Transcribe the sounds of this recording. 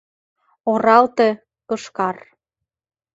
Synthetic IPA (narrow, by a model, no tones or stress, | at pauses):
oɾɑlt̪e | kɤ̆ʃkɑr